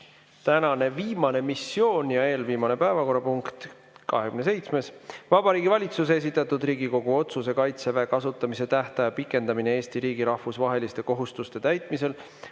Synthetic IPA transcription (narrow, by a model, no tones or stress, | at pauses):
t̪ænɑne̞viːmɑne̞misːjo̞ːnjɑe̞ːlviːmɑne̞pæevɑko̞rːɑpuŋkt̪ | kɑ̰ɦekymnese̞jt̪sme̞svɑb̥ɑɾiːɡivɑlʲit̪sus̬esit̪ːˑɑt̪ːˑud̪riːɡiko̞ɡ̥uo̞t̪suse̞kɑjt̪seveːkɑsut̪ːˑɑmise̞t̪æht̪ɑjɑpikːˑe̞nd̪̥ɑminee̞ːsʲt̪iɾiːɡ̥iɾɑhfusvɑɦe̞list̪e̞ko̞ɦust̪ust̪e̞t̪æjt̪ˑmise̞l